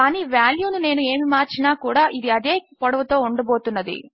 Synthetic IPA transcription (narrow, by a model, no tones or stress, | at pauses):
kaːniːʋjaːljuːnune̞ːnue̞ːmimaːɾt͡ʃinaːkuːɽaːʔid̪iɐd̪e̞ːpɔɽɐʋɐt̪o̞ːuɳɖɐbo̞ːt̪unːɐd̪ḭ